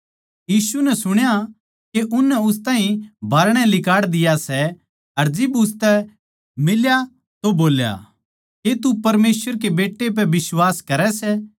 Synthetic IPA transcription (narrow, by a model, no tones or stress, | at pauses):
jiːsunɛsʊɽ̃ja | keʔʊnːɛʊst̪ãːɦĩbʱaːɾɽ̃ɛlɪkaːɽd̪ɪjasɛ | ɐɾd͡ʒɪbʊst̪ɛ | mɪlja | t̪oboːlja̰ | ket̪upɐɾmeːswəɾk̬ebeːʈːep̬ɛʋɪswaːskɐɾɛsɛ